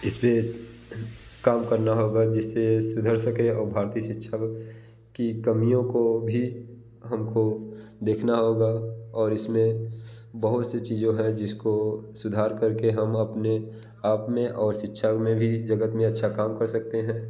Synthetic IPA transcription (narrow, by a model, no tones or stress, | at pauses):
ɪspe | kaːmkɐɾnaɦoːɡad͡ʒɪsːesʊd̪ʱəɾsəkeɔːɾbʱaːɾt̪iʃɪtːʃʰak | kikɐmijõkobʱi | ɦɐmkod̪eːkʰnaɦoːɡaɔːɾɪsmẽbɐɦʊt̪set͡ʃiːzõɦɛ̃d͡ʒɪskosʊd̪ʱaːɾkɐɾkeɦɐmɐpne | aːpmẽʔɔːɾʃɪtːʃʰakmẽbʱid͡ʒɐɡət̪mẽɐtːʃʰakaːmkɐɾsɐk̚t̪eɦɛ̃ː